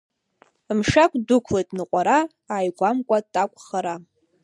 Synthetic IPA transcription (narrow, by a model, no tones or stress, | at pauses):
mʂakʷʼdʊkʷʰlejtʼnɨqʷʼaɾa | aːjɡʷamkʷʼatʼakʷʼχaɾa